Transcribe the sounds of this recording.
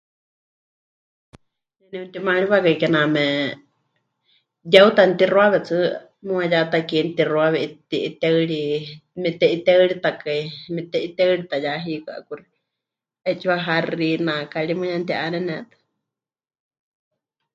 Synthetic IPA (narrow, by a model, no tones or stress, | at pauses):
nɛnɛunt̪imaɺiβakaikɛnamɛ | jaut̪ant̪irwaβɛt͡sʰɨ | muajat̪akint̪irwaβɛʔit̪iʔit̪ɛɨɺimɛt̪ɛʔit̪ɛɨɺit̪akaimɛt̪ɛʔit̪ɛɨɺit̪ajaɦikɨa̰kuri̥ | ɛt͡ʃiwaɦarinakaɺimɨjant̪iʔanɛnɛt̪ɨ̥